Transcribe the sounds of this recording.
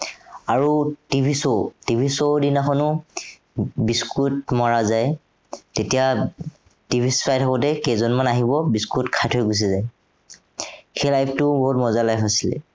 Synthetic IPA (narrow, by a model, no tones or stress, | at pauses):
aɹutibʱisotibʱisodinaxʰɔnʊ | biskutmɔɹazaj | tetija | tibʱispajtʰɔkɔtɛkezɔnmanaɦibɔbiskutkʰajtʰɔjɡos̬izaj | xejlajpʰtʊboɦutmɔzalajpasilɛ̰